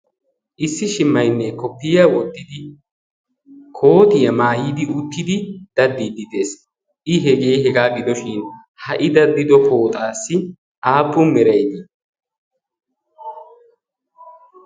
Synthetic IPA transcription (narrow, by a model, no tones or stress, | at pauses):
ʔɪsːɪʃɪmːɐjnːɛkɔpːɪjɐwɔd̪ːɪd̪ɪ | kʰo̞ːt̪ɪjɐmaːjɪd̪ɪʊt̪ːɪd̪ɪd̪̥ɐd̪ːiːd̪ɪd̪e̞ːs | ʔɪɦɛɡe̞jɦɛɡaːɡɪd̪ɔʃɪn | hɐʔɪd̪ɐd̪ːɪd̪ɔpo̞ːt̪ʼaːsːɪ | ʔaːpːʊmɛɾɐjd̪ɪ